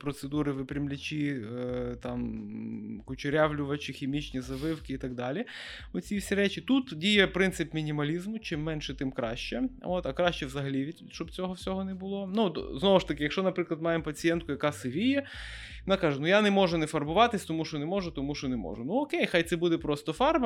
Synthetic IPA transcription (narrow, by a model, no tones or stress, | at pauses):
pɾɔt̪sed̪uɾɪʋɪpɾʲɐmlʲɐt͡ʃʲi | t̪ɑm | kʊt͡ʃʊɾʲaʋlʲʊʋɐt͡ʃɪxʲɪmʲit͡ʃnʲizɐbɪwkɪit̪ɐɡ̚d̪ɑlʲi | ɔt͡sʲifsʲiɾɛt͡ʃɪt̪ut̪dʲijɛpɾɪnt̪sɪpmʲinʲimɐlʲizmʊt͡ʃɪmːɛnʃɛt̪ɪmkɾɑ̰ʃt͡ʃɛo̰t̪ɐkɾɑʃt͡ʃɛwzɐɦɐlʲiʋʲi | ʃt͡ʃɔbt͡sʲɔɦɔwsʲɔɦɔnɛbʊlˠonut̪znɔʋʊʃt̪ɐkɪjɐkʃt͡ʃɔnɐpɾɪklˠɐd̪mɑjempɐt͡sʲijɛnt̪̚kʊjɐkɑsɪʋʲijɛ | mnɑkɑʒɛnujanɛmɔʒʊnɛfɐrbʊʋɑt̪ɪsʲt̪ɔmuʃɔnɛmɔʒʊt̪ɔmuʃɔnɛmɔ̰ʒʊnuɔkejxajt̪sɛbud̪ɛpɾɔst̪ɔfɑrb